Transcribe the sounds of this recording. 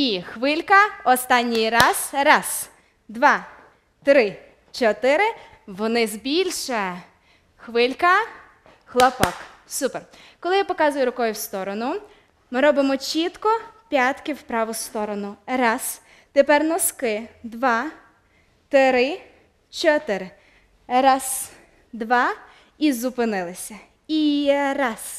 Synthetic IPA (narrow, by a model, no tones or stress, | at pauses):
ixʋɪlʲkɐɔst̪ɑnʲːijɾɑz̥ɾɑs | d̪ʋɑ | t̪ɾɪ | t͡ʃɔt̪ɪɾɪ | ʋɔnɪzbʲilʲʃɛ | xʋɪlʲkɐ | xlˠɔpɔksuperkɔlˠɪjapɔkɑzʊjʊɾɔkɔjʊwst̪ɔɾɔnʊ | mɪɾɔbɪmɔt͡ʃit̪kɔpʲjat̪kʲɪwpɾɑʋʊst̪ɔɾɔnʊɾɑs | t̪epɛrnɔskɪd̪ʋɑ | t̪eɾɪ | t͡ʃɔt̪ɪɾ | ɾɑs | d̪ʋɑ | izʊpɪnɪlˠɪsʲɐ | iɾɑs